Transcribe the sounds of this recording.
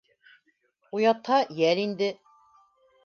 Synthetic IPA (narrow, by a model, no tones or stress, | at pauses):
ujɑt̪hɑjælind̪ɘ